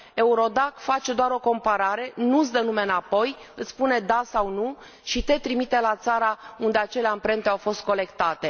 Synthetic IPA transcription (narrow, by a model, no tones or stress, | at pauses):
e̞uɾo̞d̪akfat͡ʃe̞d̪oaɾo̞ko̞mpaɾaɾe̞nut̪sd̪ənume̞ɨnapo̞jɨt̪spune̞d̪asawnu | ʃit̪e̞t̪ɾimit̪e̞lat̪saɾaund̪e̞at͡ʃe̞leampɾe̞nt̪eawfo̞st̪̚ko̞le̞kt̪at̪e̞